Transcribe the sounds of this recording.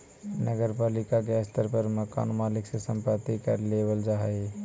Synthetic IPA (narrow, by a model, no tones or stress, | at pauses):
nəɡəɾpalikakeəst̪ʰəɾpəɾməka̰nmaliksesəmpət̪ikəɾlebəld͡ʒaɦəɪ